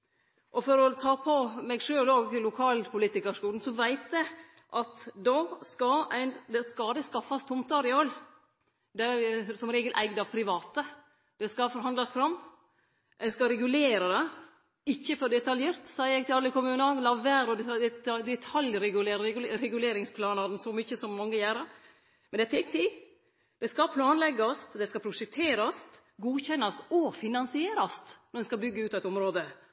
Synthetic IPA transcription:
ʔɔfɔɾɔt̪ʰɑːpʰɔmɛɡʂøːloːɡlʊkʰɑːlpʰʊliːt̪ɪkəʂkuːln̩sɔʋæɪt̪jɛ | ʔɑt̪d̪oskɑæɪnd̪ɛskɑːd̪əskɑfːɑst̪ʰʊmt̪ɑɾɪɔlː | d̪æsɔmɾeːɡəlʔæ̰ɪɡd̪ɑʋpʰɾɪʋɑːt̪ə | d̪̥ɛskɑfɔɾɦɑnd̪lɑsfɾɑmː | æɪskɑɾɛɡʉleːɾɑd̪ɛ | ɪçːəfɔɾɖ̪ɛt̪ɑljeːɾt̪sɑːjəjɛɡ̚t̪ɪlɑlːəkʊmʉːnɑlɑʋæːɾɔd̪d̪ɛt̪ʰɑljɾɛɡʉleːɾɾɛɡʉleːɾɪŋspʰlɑːnɑɾnsɔmʏçəsɔmmɔŋːəjæːɾɑɾ | mɛnd̪ɛt̪ʰɛk̚t̪ʰɪ | d̪̥ɛskɑpʰlɑːnlɛɡɑst̪d̪ɛskɑpʰɾʊʂɛkt̪ʰeːɾɑst̪ | ɡuːçɛnːɑst̪ɔfɪnɑnsɪeːɾɑst̪nɔɾɛnskɑbʏɡːəʉːt̪ɛɪt̪ɔmɾoːd̪ə

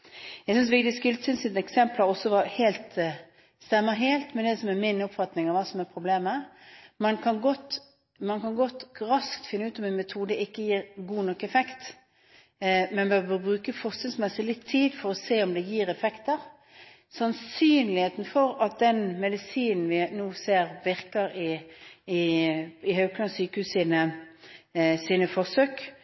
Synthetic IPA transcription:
jæɡsʏns̬ʋɪkd̪ɪskʉlsʏnsɪt̪ɛksɛmpləɾɔsːɔʋɑɾheːlt̪ | st̪ɛmːəɦeːlt̪mɛnd̪ɛsɔmɛɾmɪnʊpfɑt̪nɪŋɑʋɑːsɔmɛɾpʰɾʊbleːməmɑnkʰɑnɡɔt̪ː | mɑnkʰɑnɡɔt̪ːɾɑskt̪fɪnːəʉːt̪ɔmɛnmɛt̪ʰuːd̪əɪkːəjiːɾɡuːnɔkːɛfɛkt̪ | mɛnbøːʁbøːbʁʉːkəfɔʁsɪlsmɛsɪlɪt̪ʰːiːd̪fɔɾɔseːɔmd̪ɛjiːɾɛfɛkt̪əʁ | sɑnsyːnlɪheːt̪nfɔɾɑt̪̚d̪ɛnmɛd̪ɪsiːnn̩ʋɪnuːseːɾʋɪʁkəɾɪɪɪhœʉkʰlɑnsyːkəhʉːssiːnə | siːnəfɔʁsøːk

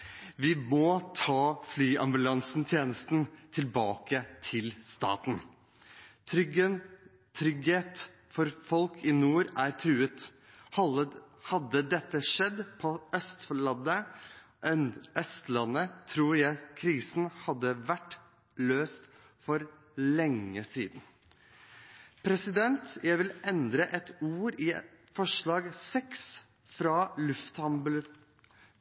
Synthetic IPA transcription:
ʋɪmɔːt̪ʰɑːflyːʔɑmbʉlɑnsnt̪ʰjeːnəst̪nt̪ʰɪlbɑːkət̪ʰɪlst̪ɑ̰ːt̪n | t̪ʰɾʏɡə | t̪ʰɾʏɡheːt̪ | fɔɾfɔlkʰɪnuːɾæɾt̪ʰɾʉːət̪ | hɑd̪ːəd̪ɛt̪ːəʂɛd̪ːpʰɔœst̪flɑd̪ə | œst̪lɑnːət̪ʰɾuːɾjæɪkʰɾiːsn̩hɑd̪ːəʋæʈː | løːst̪ | fɔɾ | lɛŋːəsḭːd̪n̩ | pʰɾɛsɪd̪ɛnt̪jæɪʋɪlʔɛnd̪ɾəʔɛt̪uːɾɪ | fɔʂɭɑːɡsɛks | fɾɑːlʉft̪hɑmbʉl

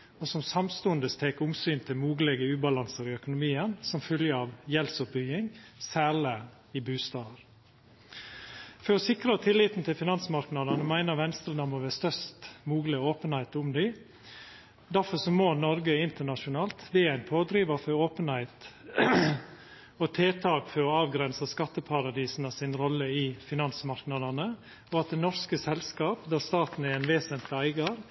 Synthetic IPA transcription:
ɔsɔmsɑmst̪uːənd̪əst̪ʰeːkʊmsyːnt̪ʰɪlmuːɡlɛɡəʉːbɑlɑnsəɾɪœkʊnʊmiːənsɔmfœljəɑʋjɛlsʊpbʏɡɪŋsæːlə | ɪbʉːst̪ɑːəɾ | fɔɾɔsɪkɾət̪ʰɪlːiːt̪n̩t̪ʰɪlfɪnɑnsmɑɾknɑd̪ənəmæɪnəɾʋɛnst̪əld̪ɑməʋɛst̪œst̪muːɡləoːpənhæɪt̪ʊmd̪ɪ | d̪æfɔɾsɔmoːnɔɾɡəɪnt̪əɳɑʂʊnɑːlt̪d̪ɛæɪnpʰoːd̪ɾiːʋɑfɔɾoːpənhæɪt̪ | ɔt̪ʰeːt̪ʰɑːkfɔɾɔɑːʋɡɾɛnsəskɑt̪ːəpʰɑɾɑd̪iːsn̩ɑsɪnɾɔlːəɪfɪnɑnsmɑɾknɑd̪ɑnə | ɔɑt̪̚d̪ɛnɔɾskəsɛlskɑːpd̪æɾst̪ɑːt̪n̩ɛɾæɪnʋeːsənt̪lɪæɪɡɑɾ

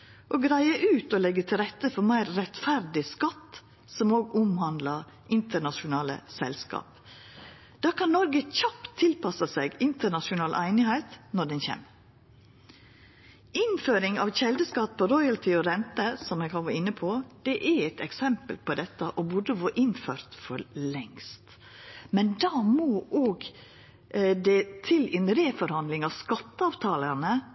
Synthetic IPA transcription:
ʔɔːɡɾæɪəʔʉːt̪ɔlɛɡːət̪ʰɪlɾɛt̪ːəfɔɾmæɪɾːɛt̪fæɾd̪ɪskɑt̪ː | sɔmoːɡʊmhɑnd̪lɑɾ | ʔɪnt̪əɳɑʃʊnɑːlə̰sɛ̰lskɑ̰ːp̚ | d̪̥ɑːkʰɑnnɔɾɡəçɑpt̪ʰːɪlpɑsɑseɡɪnt̪əɳɑʂʊnɑːlʔæ̰ɪnɪhæɪt̪nɔɖɛnçɛ̰ːm | ɪnføːɾɪŋɑ̰ʋçɛld̪əskɑt̪̚pʰɔɾɔʏɑlt̪ʰɪɔɾɛnt̪əsɔmɛɡhɑʋɑːɾɪnːəpʰɔd̪̥ɛʔæɾɛɪt̪ɛksɛmpəlpɔd̪ɛt̪ːəʔɔbʊɖəʋoʔɪnføːɾt̪fɔɾlɛŋst̪ | mɛnd̪ɑːmoʔoːɡ | d̪ɛt̪ʰɪlɛːnɾeːfɔɾhɑnd̪lɪŋɑʋskɑt̪ːəɑːʋt̪ʰɑːləɾnə

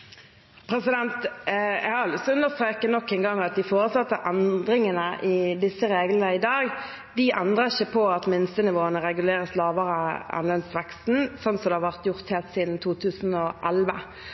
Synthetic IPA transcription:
pʰɾɛsɪd̪ɛnt̪jɛ̰ɡhɑɾɑlsɔʉnd̪əʁst̪ɾeːkənɔkːɛnɡɑŋːɑt̪̚d̪ɪfoːʁəsɑt̪ːəʔænd̪ɾɪŋənəʔɪd̪ɪsːəɾeːɡlənəɪd̪ɑːɡ | d̪ɪʔænd̪ʁəɪçəpʰɔɑt̪mɪnst̪ənɪʋoːənəɾɛɡʉleːɾəslɑːʋəʁəɑ̰nlɛnsʋɛkst̪n̩sɔnt̪sɔd̪ɛhɑʋæʁt̪jʊʁt̪hɛt̪siːd̪n̩t̪ʰuːt̪ʰʉːsn̩ɔʔælʋə

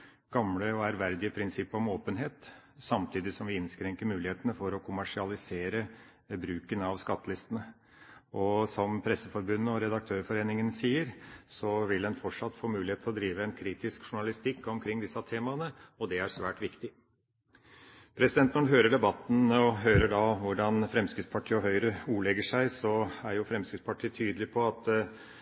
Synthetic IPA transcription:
ɡ̥ɑmləɔæɾʋæɾd̪ɪəpʰɾɪnsɪpːɔmoːpənɦeːt̪sɑmt̪ʰiːd̪ɪsɔmʋɪɪnskɾɛŋkəɾmʉːlɪheːt̪ənəfɔɾɔkʰʊmæʂɪɑlɪseːɾə | bɾʉːkənɑʋskɑt̪ːəlɪst̪ənə | ʔɔsɔmpʰɾɛsːəfɔɾbʉnːəɔɾɛd̪ɑk̚t̪ʰøːɾfɔɾeːnɪŋənsiːəɾsɔʋɪld̪ɛnfɔʈʂɑt̪ːfoːmʉːlɪheːt̪ʰlɔd̪ɾiːʋəɛnkʰɾiːt̪ɪskʂʊɳɑlɪst̪ɪkːɔmkʰɾɪŋːd̪ɪsːɑt̪ʰeːmɑnəɔd̪ɛæɾʂʋæːʈʋɪkt̪ɪ | pʰɾɛsɪd̪ɛnt̪nɔɖɦøːɾəɖɛbɑt̪ːn̩ɔɦøːɾəɖɑʋʊɖɑnfɾɛmskɾɪt̪spʰɑʈʰiːəɔɦœʏɾəuːɭɛɡəʂæɪsɔæɾjʊfɾɛmskɾɪt̪spɑʈʰiːt̪ʰyːd̪l̩ɪpʰɔɑt̪

